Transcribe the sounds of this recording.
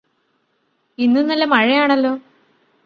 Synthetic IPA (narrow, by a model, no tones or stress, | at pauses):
inːɨnɐlːɐmɐɻɐjaːɳɐlːo̞ː